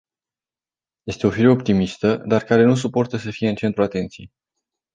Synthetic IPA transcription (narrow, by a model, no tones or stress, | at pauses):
je̞st̪e̞o̞filəop̚t̪imist̪əd̪arkaɾe̞nus̬upo̞rt̪əsəfije̞ɨnt͡ʃe̞nt̪ɾuat̪e̞nt̪sijḛ